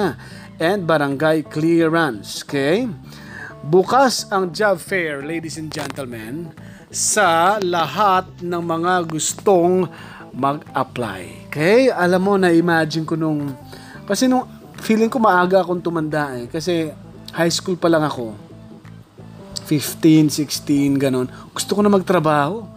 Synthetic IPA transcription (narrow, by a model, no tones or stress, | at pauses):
ʔɛnd̪̚bɐɾɐŋɡajkliɹɐnsokɛj | bukasɐŋd͡ʒabfɛɹlejd̪ɪsɛnd͡ʒɛnt̪ɛlmɛ̃n | sɐlɐɦat̪̚nɐŋmɐŋaɡʊst̪o̞ŋ | mɐɡ̚ʔɐpla̰j | kɛjʔɐlamːo̞nɐʔɪmaːd͡ʒɪnkonʊŋ | kɐsɛnʊŋ | fiːlɪŋko̞mɐʔaːɡɐʔɐko̞ŋt̪ʊmɐnd̪aʔɛkɐsɛ | hajskulpɐlɐŋɐko̞ | fɪft̪insɪkst̪inɡɐno̞nɡ̥ʊst̪okonɐmɐɡ̚t̪ɾɐbaːho̞